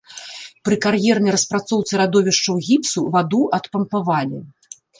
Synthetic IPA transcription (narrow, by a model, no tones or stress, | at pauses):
pɾɨkarjɛrnɐjɾɐspɾat̪sɔwt̪sɨɾad̪ɔvʲiʂt͡ʂɐwɣʲipsuvad̪uʔɐt̪pɐmpavalʲi